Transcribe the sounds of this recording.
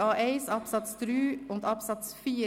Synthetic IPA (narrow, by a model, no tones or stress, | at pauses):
ɑːʔeɪsɑpsɑt̪st̪ɾʉːʊnt̪ʰɑpsɑt̪sfiː